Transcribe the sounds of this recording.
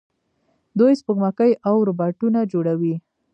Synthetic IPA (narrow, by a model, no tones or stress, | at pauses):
d̪ojspəɡmakəjʔawɾobɑʈunad͡ʒoɽawi